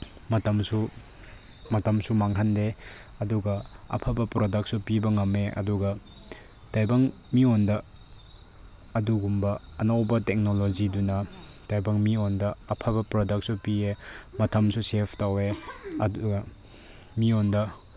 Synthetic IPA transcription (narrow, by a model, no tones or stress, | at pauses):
mɐtɐmsu | mɐtɐmsumaŋhɐnde | ɐduɡɐɐ̰pʰɐbɐpɾodɐk̚t̚supibɐŋɐmeʔɐ̰duɡɐ | tajbɐŋ | miondɐ | duɡumbɐːnawbɐtek̚nolod͡ʒidunɐ | tajbɐŋmiondɐɐpʰabɐpɾodɐk̚supiemɐtʰɐmsusepʰtaweɐduɡɐ | miondɐ